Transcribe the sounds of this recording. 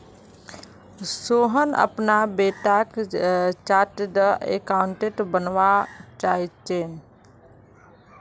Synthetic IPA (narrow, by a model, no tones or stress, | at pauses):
soːɦənə̰pnabeːʈakt͡ʃaːɾʈd̪əḛkaʊɳʈeʈbənʋat͡ʃaːit͡ʃen